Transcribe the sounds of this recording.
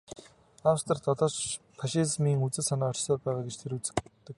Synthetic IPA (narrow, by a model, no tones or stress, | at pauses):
awst̪ə̆rt̪ɔɮɔːt͡ɕ | pʰaʃizmiːŋut͡sɘ̆sanaːɔ̥t͡ɕsɔːrpæːʁaːɡet͡ɕt̪ʰeɾut͡sɘ̥̆t̪ːə̆k̚